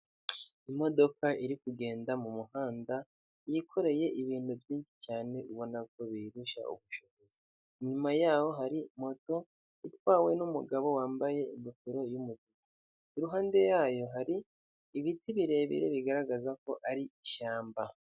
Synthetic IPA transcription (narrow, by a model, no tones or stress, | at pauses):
imo̞do̞kaʔiɾikuɡe̞ːndamumuhaːnda | jikʰo̞ɾe̞je̞ʔiβiːnhuvjiːnʃi̥t͡ʃaːne̞uβo̞nako̞βiɾuʃa̰ṵβuʃoβo̞ziː | ɲumajaːho̞ɦaɾimo̞to̞ | itwaːwe̞numuɡaβo̞waːmbaje̞imufiɾo̞jumuziɡa | iɾuɦaːnde̞jaːjo̞ɦaɾiː | βitiβiɾe̞βḭɾḛβiɡaɾaɡazako̞ʔaɾiiʃaːmba